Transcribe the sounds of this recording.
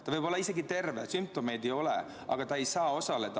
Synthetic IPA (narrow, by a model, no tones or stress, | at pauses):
t̪ɑvɤjb̥olːɑise̞ɡit̪e̞rvesymp̚t̪o̞me̞jd̪ejo̞lḛ | ɑ̰ɡ̥ɑt̪ɑe̞jsɑːo̞sɑle̞d̪̥ɑ